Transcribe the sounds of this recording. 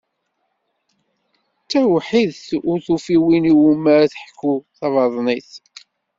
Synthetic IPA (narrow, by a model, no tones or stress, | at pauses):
t͡sːæwħiðθʊɾθufiwiniwuməɾθəħkːuθɑvɑðˤniθ